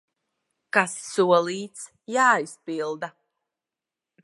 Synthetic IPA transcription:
kasːuɔlˠiːt̪s | jaːispilˠd̪a

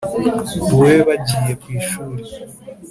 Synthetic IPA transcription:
weβaɟiːjekwiːʃuːɾe

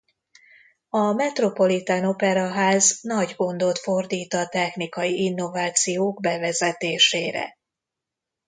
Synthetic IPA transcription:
ɒmɛt̪ro̞po̞lit̪ano̞pɛɾɒɦaːznɒɟɡo̞nd̪o̞t̪fo̞rd̪iːt̪ɒt̪ɛxnikɒjiinːo̞vaːt̪sijoːɡbɛvɛzɛt̪eːʃeːɾɛ̰

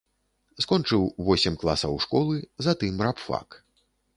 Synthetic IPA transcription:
skɔnt͡ʂɨwvɔsʲɛmʲklˠasɐwʂkɔlˠɨzat̪ɨmɾapfa̰k

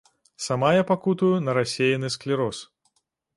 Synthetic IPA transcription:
samajapakut̪ujunɐɾasʲejɐnɨsklʲiɾɔs

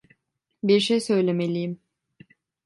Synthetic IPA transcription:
biɾʃejsø̞jlʲemelʲijim

